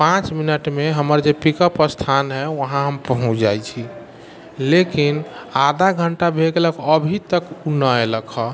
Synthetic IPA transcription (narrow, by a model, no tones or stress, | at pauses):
pãt͡ʃminəʈmeɦəməɾd͡ʒepikəpəst̪ʰanɦɛʋəɦãɦəmpəɦũt͡ʃʰd͡ʒajt͡ʃʰi | lekinad̪ʱaɡʱəɳʈabʱeɡeləkəbʱit̪əkunəeləkʰə